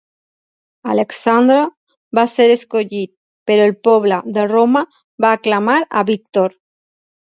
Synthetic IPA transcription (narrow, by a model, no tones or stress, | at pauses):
aleksand̪ɾo | βaseɾeskoʎit̪̚ | peɾoelpɔβlaðeroma | βaːklamaɾa̰βik̚t̪oɾ